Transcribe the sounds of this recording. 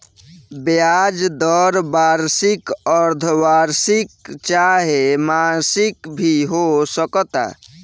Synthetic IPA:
bejad͡ʒd̪ɔɾbaɾsikəɾd̪ʱwaɾsikt͡ʃaɦemasikbʱiɦosəkət̪a̰

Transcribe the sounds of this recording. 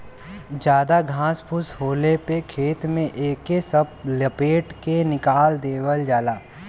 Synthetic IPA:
d͡ʒjaːd̪aɡʱãːspʰʊshoːlepekʰeːt̪mẽʔeːkesəb̚ləpeːʈkenɪkaːld̪eːwəld͡ʒaːlaː

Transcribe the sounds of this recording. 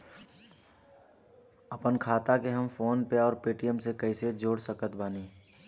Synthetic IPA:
ɐpənkʰaːt̪akeɦɐmfoːnpeɔːɾpeːʈijəmsekəːɪsed͡ʒoːɽsəkət̪baːniː

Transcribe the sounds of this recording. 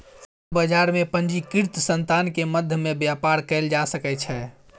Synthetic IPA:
s | bəd͡ʒaɾmepənd͡ʒikiɾt̪sənt̪ankeməd̪ʱjəmebjapaɾkɛɪld͡ʒasəkɛt͡ʃʰɛ

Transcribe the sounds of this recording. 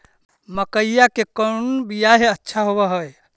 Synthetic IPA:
məkəjjakekənbijaɦeətːʃʰaɦobɛɦoj

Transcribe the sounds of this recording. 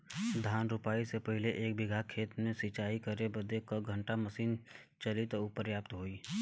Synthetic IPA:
d̪ʱaːnɾʊpaːisepəɦɪleʔeːkbɪɡʱakʰeːt̪mẽsɪt͡ʃaːikəɾebəd̪ekoɡʱə̃ɳʈaməsiːn | t͡ʃəlit̪oupəɾjaːp̚t̪ɦoːiː

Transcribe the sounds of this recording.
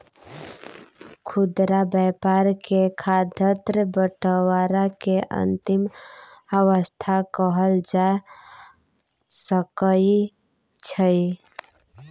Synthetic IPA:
kʰud̪ɾabəpaɾkekʰad̪ʱət̪ɾəbəʈəwaɾakeʔə̰nt̪iməwəst̪ʰakəɦəld͡ʒa | səkəi | t͡ʃʰəj

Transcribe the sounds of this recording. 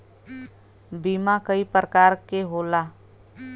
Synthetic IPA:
biːmakəipɾəkaːɾkeɦoːlaː

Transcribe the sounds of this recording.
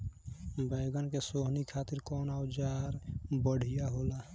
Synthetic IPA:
baɪɡənkesoɦnikʰat̪iɾkɔːnawd͡ʒaɾbəɽ̤ijaɦola

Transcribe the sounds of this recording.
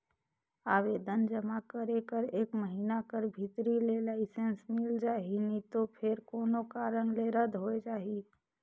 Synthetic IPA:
aːʋeːd̪ənd͡ʒəmakəɾekəɾeːkməɦiːnakəɾbʱɪt̪ɾilelaːɪsensmɪld͡ʒaːɦinit̪opʰɪɾkoːnokaɾəŋɡleɾəd̪ʱɦoed͡ʒaːɦi

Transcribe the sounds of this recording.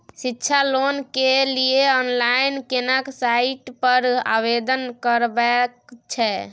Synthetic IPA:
sitːt͡ʃʰalonkelieɔnlainkenaksaiʈpəɾa̰βed̪ənkəɾbɛkt͡ʃʰɛ

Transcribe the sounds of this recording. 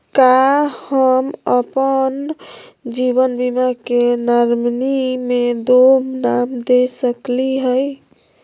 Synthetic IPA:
kahəməpən | d͡ʒiβənbimakenəɾmnimed̪omnamd̪esəkliɦəj

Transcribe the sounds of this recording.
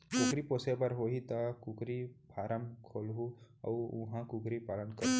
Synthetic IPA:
kukɾiposebəɾɦoɦit̪ɐkukɾipʰaɾəmkʰolɦuɐ̰uuɦãkukɾipalənkəɾ

